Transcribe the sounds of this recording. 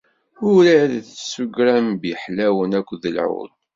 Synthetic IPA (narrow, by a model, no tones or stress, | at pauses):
ʊɾæðθsuɡɾæmbiħlæwənækʷːðəlʕʊ̰l